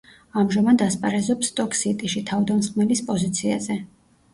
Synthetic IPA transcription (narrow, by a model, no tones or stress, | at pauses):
amʒamad̪aspʼaɾɛzɔpsːt̪ʼɔkʰʼsit̪ʼiʃit̪ʰavd̪amsχʼmɛlispʼɔzit̪sʰia̰zɛ